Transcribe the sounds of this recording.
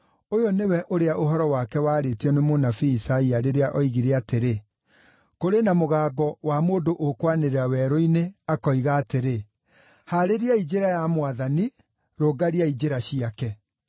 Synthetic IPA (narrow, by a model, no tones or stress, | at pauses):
ojɔnewɛʔoɾeaʔoɦɔɾɔwakɛwaːɾetiɔnemonafiːsaiaɾeɾeaʔɔiɣiɾeateɾe | koɾenamoɣaːbɔwamoːndoʔokwaneɾeawɛɾoineakɔiɣaːteɾe | haɾeɾiaid͡ʒeɾajamwaðani | ɾoːɡaɾiaid͡ʒeɾaɕiakɛ